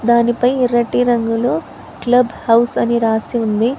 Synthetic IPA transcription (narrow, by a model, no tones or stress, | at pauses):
d̪aːnipɐjiɾɐʈiɾɐŋɡuloː | klɐbʱhɐwsɐniɾaːsiund̪i